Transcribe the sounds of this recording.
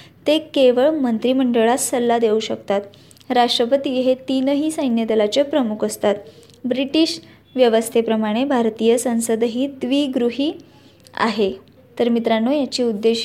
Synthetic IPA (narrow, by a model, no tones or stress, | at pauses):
t̪ekeʋəɭmənt̪ɾiːməɳɖəɭat̪səlːad̪euɕəkt̪at̪ | ɾaʂʈɾəpət̪iɦet̪inəɦiːsəjnjəd̪elat͡ɕəpɾəmukʰəst̪at̪ | bɾiʈiɕ | ʋjəʋəst̪ʰepɾəmaɽ̃ebʱaɾt̪iːjəsə̃w̃səd̪ɦiːd̪ʋiɡɾuɦiː | a̰ɦe | t̪əɾmit̪ɾanojat͡ɕiːud̪ːe